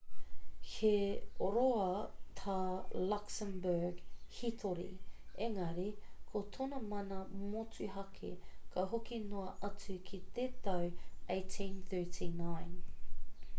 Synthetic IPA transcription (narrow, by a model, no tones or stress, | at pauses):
heoɾoɐt̪ʰaːlaksəmbə˞ɡhit̪ʰoɾḭeŋɐɾikʰot̪ʰonɐmɐnɐmot͡sʉɦɐkʰḛkʰɐɦokinoɐʔɐt͡sʉkʰit̪et̪ɐwʔeɪtʰĩnθɜ˞tʰinãjn